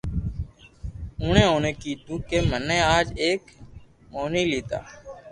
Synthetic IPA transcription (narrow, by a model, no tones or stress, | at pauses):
uːɳẽːɦoːneːkiːd̪ʊkːeːmənẽːaːd͡ʒeːk | moːniːliːt̪a̰ː